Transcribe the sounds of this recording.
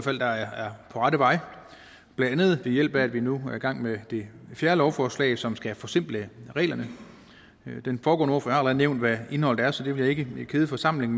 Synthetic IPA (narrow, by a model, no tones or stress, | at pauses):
fæl̰d̥ɑ̈ææɐpʰɒ̽ʁɑɾəʋɑ̈ɪ | b̥lænd̥ænð̞̩ˠʋ̥e̝jel̰b̥ææd̥ʋinuæɐiɡ̥ɑ̈ŋ̰med̥e̝fjæːɐlɒʊfɒːslɛ̰ɪsɒ̽msɡ̥æfɒ̽semb̥ləʁɛ̰ːlɐnə | d̥enfɒːɡ̥ɔ̰ːno̰fɒ̽jɑhɑ̈lʁɛð̩ˠneʊnd̥ʋæe̝nhɒ̽l̰d̥æɐsɒ̽d̥e̝ʋe̝ljɑ̈e̝ɡ̥əkʰe̝ːð̞ˠfɒ̽sɑ̈m̰le̝ŋ